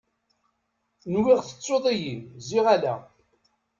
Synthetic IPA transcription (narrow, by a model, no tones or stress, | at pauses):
nwɪʁθə̥t͡sːoðˤijinziʁalæ̰